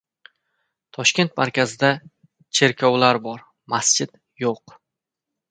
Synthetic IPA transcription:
t̪ʰɒʃkʲe̞nt̪ma̰ɾkʲʰazɪd̪a | t͡ʃʰe̞ɾkʰʲɒwlaɾbɒɾ | mast͡ʃʰɪd̪̥ | joq

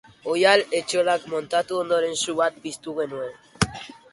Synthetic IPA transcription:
ojale̞t͡ʃolakmo̞nt̪at̪uo̞nd̪o̞ɾe̞nsuβat̪̚pist̪uɣe̞nue̞n

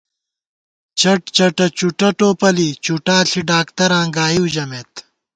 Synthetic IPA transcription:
t͡ɕɐʈt͡ɕɐʈɐt͡ɕuʈɐʈoːpɐlit͡ɕuʈaːɬʰiɖaːkt̪ɐɾãːŋɡaːiwd͡ʑɐmeːt̪

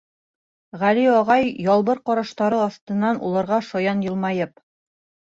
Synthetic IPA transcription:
ʁæliɒʁɑjjɒlˠbɤɾqɒɾɑʃt̪ɑɾɤɒθt̪ɤ̆nːɑnulˠɑɾʁɑʃɒjɑnjɤ̆lˠmɑjɤp̚

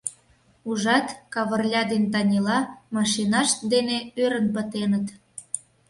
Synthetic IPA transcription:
uʒɑt̪kɑβə̆rlʲɑd̪ent̪̬ɑnʲilɑmɑʃinɑʃd̪eneøɾənpət̪enət̪

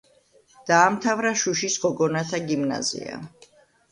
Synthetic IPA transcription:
d̪̥aːmt̪ʰavɾaʃuʃisɡɔɡɔnat̪ʰaɡimna̰zḭa̰

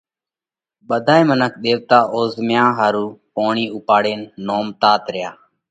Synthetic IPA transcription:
ɓəd̪ʱaːeːmənəkʰɗ̪eːʋt̪aːʔoːzmjãːɦaːɾuːpoːɳiːʊpaːɽeːnːoːmt̪aːt̪ɾɪjaː

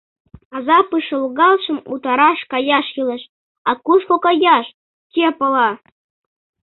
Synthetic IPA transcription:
ɑzɑpɯʃə̆lˠɣɑlˠʃə̆mṵt̪ɑɾɑʃkɑjɑʃjɯlˠə̆ʃ | ɑkuʃkokɑjɑʃ | kʲepɤ̆lˠɑ

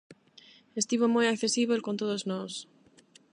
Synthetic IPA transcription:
est̪iβomojakθe̞siβoelkont̪oðoznos

